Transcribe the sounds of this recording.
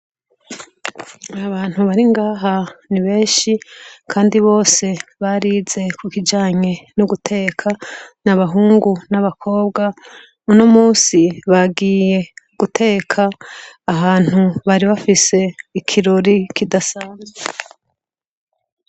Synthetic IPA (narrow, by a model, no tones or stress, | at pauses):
aβaːn̥huβaɾiŋɡaːɦaniβe̞ːnʃikʰaːndiβo̞ːse̞βaɾiːze̞kukid͡ʒaːɲe̞nuɡutʰe̞kʰanaβaɦuːŋɡunaβakʰo̞ːbɡa | munomuːsiβaɡiːje̞ɡ̥utʰe̞ːkʰaːhaːn̥uβaɾiβafise̞ikʰiɾo̞ɾikidasaːnze